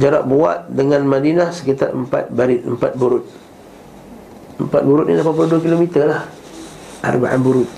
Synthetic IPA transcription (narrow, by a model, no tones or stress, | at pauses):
d͡ʒaɾa̰ʔ̚bua̰t̪̚dəŋanmadinasə̥kit̪arəmpa̰t̪̚baɾit̪əmpat̪̚buɾʊt̪̚ | əmpat̪̚buɾʊt̪̚nilahpapuluduakilomit̪əlah | ʔa̰rba̰ʔa̰nbuɾʊt̪̚